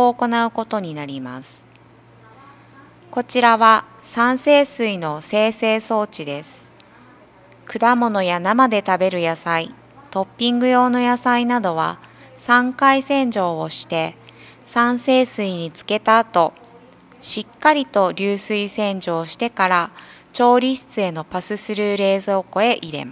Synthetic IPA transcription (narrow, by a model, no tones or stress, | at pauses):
oːko̞naɯ̟ko̞t̪o̞ɲ̟inaɾʲimasɨ̥ | ko̞t͡ɕiɾaβa | sãɰ̃se̞ːsɨino̞se̞ːse̞ːso̞ːt͡ɕid̪e̞sɨ̥ | kɯ̟d̪amo̞no̞janamad̪e̞t̪abe̞ɾɯ̟jasai | t̪o̞pʲːĩŋɡɯ̟jo̞ːno̞jasainad̪o̞βa̰ | sãŋkaisẽ̞ɲ̟d͡ʑo̞ːɕi̥t̪e̞ | sãɰ̃se̞ːsɨiɲ̟it͡sɨ̥ke̞t̪aːt̪o̞ | ɕikːaɾʲit̪o̞ɾʲɨːsɨisẽ̞ɲ̟d͡ʑo̞ːɕi̥t̪e̞kaɾa | t͡ɕo̞ːɾʲiɕi̥t͡sɨe̞no̞pasɨsɨɾɯ̟ɾe̞ːzɨoko̞e̞ʔiɾe̞̰ma